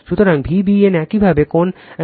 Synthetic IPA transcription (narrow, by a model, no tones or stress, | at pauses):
ʃut̪oɾaŋbʱibienɛkibʱabekon